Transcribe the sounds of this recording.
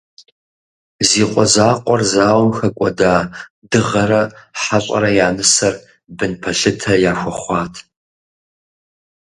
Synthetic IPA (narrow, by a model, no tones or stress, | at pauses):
ziːqʷʼɔzaːqʷʼɔrzaːwmxɐkʷʼɔ̰daː | dɨʁɐɾɐħaɕʼɐ̰ɾɐjaːmɨsɐr | bɨnpʰɐɬɨtʰɐjaːxʷɔχʷɑːtʰ